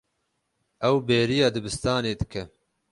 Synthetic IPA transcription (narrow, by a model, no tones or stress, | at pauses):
ɛwbeːɾijɑːd̪ɨbɨst̪ɑːneːd̪ɨkʰɛ